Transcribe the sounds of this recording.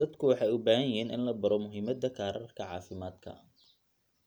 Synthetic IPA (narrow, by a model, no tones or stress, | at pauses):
dɐd̪kʰʊwɑħɑjʊbaːhɐjɪɦiːnʔɪ̰nlɐbɐɾɔmʊɦiːmɐd̪ɐkʰaːɾɐrkʰɐʕɑ̰ːfɪmaːd̪kʰɐ̰